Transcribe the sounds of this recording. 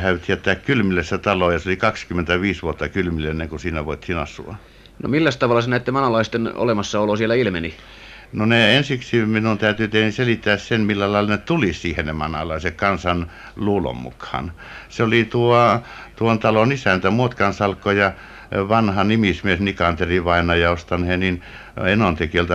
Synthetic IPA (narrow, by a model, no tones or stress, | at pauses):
hæyt̪ːiæt̪ːæːkkylmilːesːæt̪ɑlojɑseolikɑkskymːent̪æʋiːsʋuot̪ːɑkylmilːenːeŋkusiːnæʋoˑit̪hiːnɑ̰sṵɑ̰ | no̰milːæst̪ɑʋɑlːɑsenæit̪ːemɑnɑlɑist̪eno̰lemɑsːɑolosielæilmeni | noneensiksiminunt̪æyt̪yt̪ehniselit̪ːæːssenmilːælɑˑelɑnet̪ulisiːhennemɑnɑ̰lɑˑisekkɑnsɑn | luːlo̰mːṵkhɑ̰n | seolit̪uo | t̪uont̪ɑlonisænt̪æmuot̪kɑnsɑlkːojɑ | ʋɑnhɑnimismiesnikɑnt̪eriʋɑinɑjɑost̪ɑnhenin | enont̪ekielt̪ɑ